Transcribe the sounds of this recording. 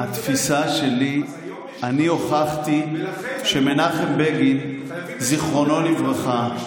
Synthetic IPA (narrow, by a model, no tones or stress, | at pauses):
hat̪fisaʃe̞li | anio̞χaχt̪iʃemenaχembeɡin | ziχʁo̞no̞livʁaχa